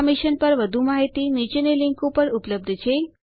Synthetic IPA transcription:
miʃənpəɾʋəd̪ʱumaɦit̪init͡ʃenelɪŋkũpəɾʊpləb̚d̪ʱt͡ʃʰe

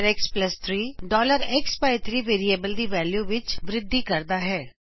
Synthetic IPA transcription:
ɾɛkspləst̪ʰɾiːɖɔːləɾɛkspaːɪt̪ʰɾiːʋeːɾieːbəld̪iːʋɛːljuːʋɪt͡ʃʋɾɪd̪ːiːkəɾd̪aːɦɛː

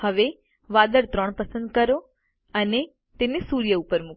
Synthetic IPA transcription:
həʋe | ʋad̪əɾt̪ɾəɳpəsə̃nd̪kəɾo | əne | t̪enesuɾjəupəɾmu

